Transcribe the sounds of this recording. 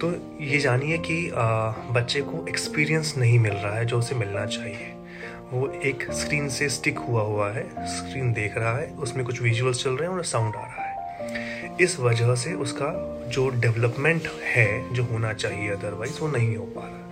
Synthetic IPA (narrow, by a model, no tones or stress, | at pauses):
t̪oː | jed͡ʒaːniɛkiəbɐtːʃekoʔekspiːɾiə̃nsnɐɦĩmɪlɾɐɦaɦɛd͡ʒoːʊsemɪlnat͡ʃaːɦie | ʋoeːkskɾiːnsesʈɪkɦuaɦuaɦɛskɾiːnd̪eːkʰɾɐɦaɦɛʊsmẽkʊt͡ʃʰʋɪʒuəlst͡ʃɐlɾɐɦeɛ̃ɔːɾsãʊ̃ɳɖa̰ːɾɐɦaɦɛː | ɪsʋɐd͡ʒəɦs̬eʔʊska | d͡ʒoːɖɛʋləpmẽɳʈhɛd͡ʒoːɦoːnat͡ʃaːɦieɐd̪əɾʋaːɪzʋonɐɦĩɦoːpaɾ